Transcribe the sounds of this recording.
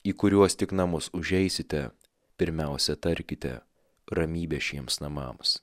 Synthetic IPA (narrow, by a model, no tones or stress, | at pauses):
iːkʊɾʲuɔst̪ʲɪknɐmʊsʊʒʲɛɪsʲɪt̪ʲɛ | pʲɪɾʲmʲɛˑʊsʲɛt̪ɐɾʲkʲɪt̪ʲɛ̰ | ɾɐmʲiːbʲɛʃʲiɛmsnɐmɑ̰ːms